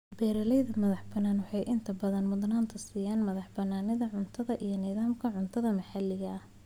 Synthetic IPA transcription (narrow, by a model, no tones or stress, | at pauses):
b̥ɛːɾɐlɛjðɐmɐðɑħbɐnaːnwɑħɑjʔɪnt̪ʰɐbɐðɐnmʊðnaːnt̪ʰɐsiːjaːnmɐðɑħbɐnːaːnɪðɐʕʊnt̪ʰɐðɐʔijɞniːðaːmkʰɐʕʊnt̪ʰɐðɐmɐħɑlɪɣɐh